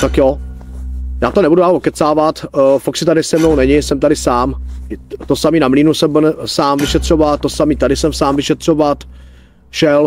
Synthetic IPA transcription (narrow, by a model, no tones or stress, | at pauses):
t̪akjo | jaːt̪onɛbuduaːlokɛt͡saːvat̪faksɪt̪adɪsɛmnownɛɲɪsɛmt̪aɾɪsaːm | t̪osamiːnamliːnusɛmbnɛsaːmvɪʃɛt̪r̝̥ovat̪̚tːosamiːt̪adɪsɛmsaːmvɪʃɛt̪r̝̥ovat̪ | ʃɛl